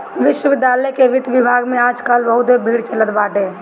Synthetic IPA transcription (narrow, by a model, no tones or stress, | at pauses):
ʋɪʃwəʋɪd̪jaːləjkeʋɪd̪ʋɪbʱaːɡmẽaːd͡ʒkəlbəɦʊt̪ebʱiːɽt͡ʃələt̪baːʈẽː